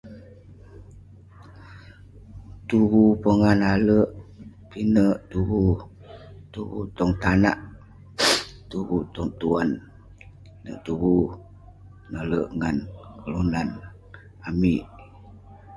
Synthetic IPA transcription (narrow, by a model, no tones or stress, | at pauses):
t̪uɣupəŋanaləʔ | pinəʔt̪uɣu | t̪uɣṵt̪ɔŋt̪ana̰ʔ | t̪uɣut̪ɔŋt̪uan | inə̰ʔt̪uɣu | naləʔŋankʰəlunan | amiʔ